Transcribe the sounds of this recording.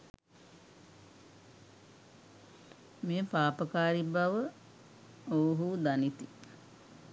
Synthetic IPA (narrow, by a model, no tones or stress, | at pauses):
meːpaːpəkaːɾibaʋə | oɦud̪anit̪i